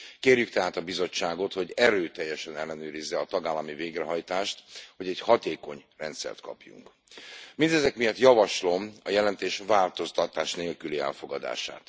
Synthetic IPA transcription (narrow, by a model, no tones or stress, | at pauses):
keːrjykt̪ɛɦaːt̪ɒbizo̞t͡ʃːaːɡo̞t̪ho̞ɟɛɾøːt̪ɛjːɛʃɛnɛlːɛnøːɾizːɛɒt̪ɒɡaːlːɒmiveːɡrɛɦɒjt̪aːʃt̪ho̞ɟɛchɒt̪eːko̞ɲrɛnt̪sɛ̰rt̪kɒ̰pjṵŋk | mind̪ɛzɛkmijɒt̪jɒvɒʃlo̞mɒjɛlɛnt̪eːʃvaːlt̪o̞st̪ɒt̪aːʃneːlkyliɛ̰lfo̞ɡɒd̪a̰ːʃa̰ːt̪